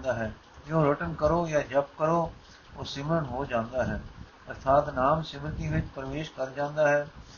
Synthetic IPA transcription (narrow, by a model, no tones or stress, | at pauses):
nd̪aːɦɛː | jõːɾɪʈənkəɾoːjaːd͡ʒɐp̚kəɾoː | oːsɪməɾənɦoːd͡ʒãːnd̪aːɦɛː | ɐɾt̪ʰaːt̪naːmsɪmt̪iʋɪt͡ʃpɾəʋeːʃkəɾd͡ʒãːnd̪aːɦɛː